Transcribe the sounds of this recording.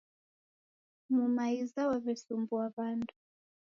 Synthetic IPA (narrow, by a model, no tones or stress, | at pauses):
mumaizawaβɛsumbuaβandu